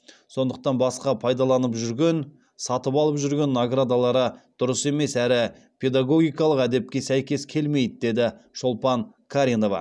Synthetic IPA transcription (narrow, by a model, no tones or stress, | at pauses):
so̞nd̪əq̚t̪ɑnbɑsqɑpʰɑjd̪ɑlˠɑnəpʒʏɾɡʲe̞n | sɑt̪əpɑlˠəpʒʏɾɡʲe̞nːoɡrad̪alˠɑɾəd̪̥ʊɾəse̞me̞sæɾɪ | pʲʰe̞d̪aɡo̞ɡʲijkɑlˠəqæd̪e̞p̚kʲe̞sæjkʲe̞skʲʰe̞lme̞jd̪ɪd̪e̞d̪ɪʃo̞lˠpɑn | kʰaɾʲino̞vɑ̰